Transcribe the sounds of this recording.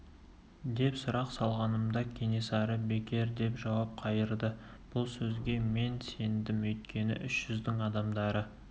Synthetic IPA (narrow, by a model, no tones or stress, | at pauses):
d̪e̞psʊɾɑqsɑlˠʁɑnəmd̪ɑkʲʰe̞nesɑɾəbe̞kʲʰe̞ɾd̪e̞pʒɑwɑp̚qʰɑjəɾd̪ə | b̥ʊlˠsɵzɡʲe̞me̞nse̞nd̪ɪmɵjt̪̚kʲe̞nɪ̰ʔʏʃʒ̥ʏzd̪ɪŋɑd̪ɑmd̪ɑɾə